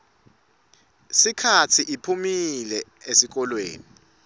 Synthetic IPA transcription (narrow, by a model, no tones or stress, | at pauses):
sikʰatʰiʔipʰumilɛ | esik̬ɔlweːni